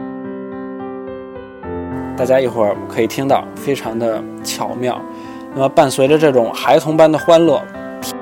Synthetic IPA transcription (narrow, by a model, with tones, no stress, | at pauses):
t̪a˥˩t͡ɕja˥i˥˩xwə˞˥˩kʰɤ˧˥i˨˩t̪ʰi˥ŋt̪ɑ̰˥˩ʊfe˥ɪʈ͡ʂʰɑ˧˥ŋd̪ə˧ | t͡ɕʰjɑ˨˩ʊmjɑ˥˩ʊ | na˥˩mə˩pa˥˩nswe˧˥ɪʈ͡ʂə˧ʈ͡ʂɤ˥˩ʈ͡ʂʊ˨˩ŋxa˧˥ɪt̪ʰʊ˧˥ŋpa˥nd̪ə˨xwa˥nlɤ˥˩ | pʰ